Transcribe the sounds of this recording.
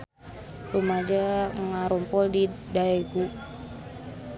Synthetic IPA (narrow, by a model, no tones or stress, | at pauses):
rumad͡ʒaŋaɾɔmpɔldidaeɡu